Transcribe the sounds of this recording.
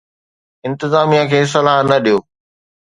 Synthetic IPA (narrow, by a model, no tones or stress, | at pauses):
ɪ̃nt̪ɪzaːmijãkʰeːs̬ɐlaːɦnɐɗijoː